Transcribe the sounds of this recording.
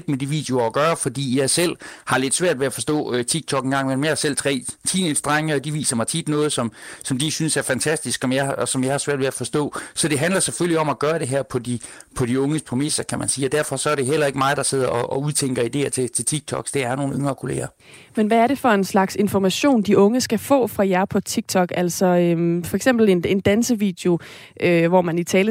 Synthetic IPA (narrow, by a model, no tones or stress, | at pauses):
ed̥med̥iʋḭːd̥e̝o̝ɒɡ̥ɶːɐfɒ̽d̥ḭːjɑ̈sel̰hɑ̈le̝d̥sʋæɐ̰d̥ʋe̝æfɒ̽sd̥ɔ̰̽ːt͡sʰiɡ̥̚t͡sʰɒ̽ɡ̥enɡ̥ɑ̈ŋ̰menmehsel̰t͡sʰʁɛ̰ːt͡sʰḭnen̥sd̥ʁaŋəɒd̥iʋḭːsɐmɑ̈ɪt͡sʰid̥nɔ̽ːð̞̩ˠsɒ̽msɒ̽md̥isynsæɐfænt͡sʰæsd̥isɡ̥ɒ̽mjɑ̈ɪsɒ̽mjɑ̈ɪhɑ̈sʋæɐ̰d̥ʋe̝æfɒ̽sd̥ɔ̰̽ːsɒ̽d̥e̝ɦænd̥lɐseføl̰liɒ̽mæɡ̥ɶːɐɾ̥e̝ɦæɐ̰pʰɒ̽d̥ipʰɒ̽d̥iɔ̽ŋəspʰʁomesɐkʰæmænsiːɒd̥æɐ̰fɒ̽sɒ̽æɐɾ̥e̝ɦel̰ɐe̝ɡ̥əmɑ̈ɪð̩ˠd̥ɑ̈se̝ð̞̰ˠɐʔɒʔɒuð̞ˠt͡sʰeŋ̰ɡ̥ɐid̥e̝̰ːɐt͡sʰe̝t͡sʰe̝t͡sʰiɡ̥̚t͡sʰɒ̽ɡ̥sd̥eæɐno̝ːn̩øŋɐːkʰo̝le̝̰ːɐ | menʋæːɐɾe̝fɒ̽e̝nslɑ̈ɡ̥se̝nfɒmæɕo̝̰ːnd̥iʔɔ̽ŋəsɡ̥æfɔ̰̽ːfʁɑ̈jæɐpʰɒ̽t͡sʰiɡ̥̚t͡sʰɒ̽ɡ̥æl̰sɒ̽ømfɒ̽eɡ̥sem̰b̥l̩e̝ne̝nd̥ænsəʋḭːd̥eo̝ | ʔøʋɒmænit͡sʰɛːl